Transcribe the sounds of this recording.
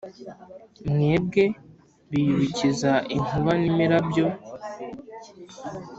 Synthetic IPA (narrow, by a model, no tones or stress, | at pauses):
mŋeːb̚ɡe̞ | βijuβicizaʔin̥uβanimiɾabjo̞